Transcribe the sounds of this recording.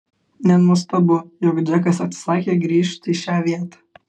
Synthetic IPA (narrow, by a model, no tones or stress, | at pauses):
nʲɛnʊs̬t̪ɐbʊjɔkd͡ʒʲɛkɐsɐt̪ʲsʲɪ̥sɑːkʲeːɡɾʲiːʃʲt̪ʲɪʃʲæːʋʲiɛt̪ɑ̥ː